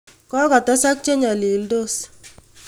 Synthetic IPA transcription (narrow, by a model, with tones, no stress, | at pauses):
kɔ˦kɔ˨tɔ˦sa˦k̚t͡ʃe˦ɲa˨li˨ldo˦s